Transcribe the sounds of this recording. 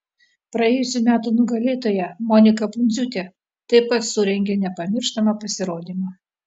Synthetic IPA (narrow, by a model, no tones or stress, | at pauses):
pɾɐjeɛːjʊsʲʊmʲæːt̪ʊnʊɡɐlʲeːt̪oːjɛmɔnʲɪkɐpʊnʲd̪zʲuːt̪ʲeː | t̪ɐɪppɐt̪sʊɾʲɛŋʲɡʲeːnʲɛpɐmʲɪɾʃt̪ɐmɐpɐsʲɪɾoːd̪ʲiːmɑː